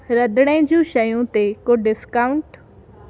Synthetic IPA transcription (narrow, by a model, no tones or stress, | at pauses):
ɾəd̪ɽ̃ẽːd͡ʒũːʃəjũt̪eːkoɖɪskaːʊɳʈ